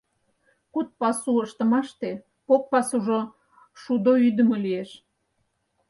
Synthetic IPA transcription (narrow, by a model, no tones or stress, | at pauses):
kut̪̚pɑsuəʃt̪ə̆mɑʃt̪e | pok̚pɑsuʒo | ʃud̪oyd̪ə̆məlieʃ